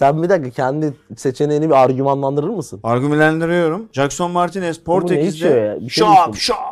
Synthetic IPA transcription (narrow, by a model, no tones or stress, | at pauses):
sænbid̪akacʰɛnd̪ise̞t͡ʃʰe̞neinibiaɾɟymanlˠand̪ɯɾɯɾmɯsɯnaɾɡymlʲænd̪iɾijo̞ɾumd͡ʒakso̞nmaɾt̪ʰinɛspʰoɾt̪enejist͡ʃ̪ijojaːnbiʃʃaʃap